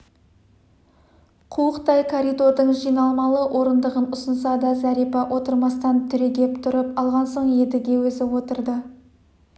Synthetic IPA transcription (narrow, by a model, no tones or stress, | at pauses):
qʰuwəqt̪ɑjkʰoɾijd̪o̞ɾd̪əɴʒijnɑlˠmɑlˠəwʔo̞ɾənd̪əʁənʊsənsɑd̪ɑzæɾijpɑʔo̞t̪əɾmɑst̪ɑnt̪ʰʏɾe̞ɡʲe̞pt̪ʰʊɾəpɑlˠʁɑnso̞ɴje̞d̪ɪɡʲe̞wɵzɪwo̞t̪əɾd̪ə